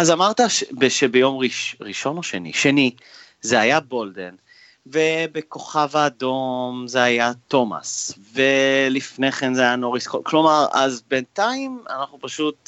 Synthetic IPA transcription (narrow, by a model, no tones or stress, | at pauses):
azamaʁt̪aʃbeʃebejo̞mʁiʃʁiʃo̞noʃenḭʃeni | zeajabo̞lde̞̰n | vebeko̞χavaːdo̞mzeajat̪o̞ma̰svelifneχenzeajanoʁiskolklo̞maʁa̰zbentaima̰naχnupaʃut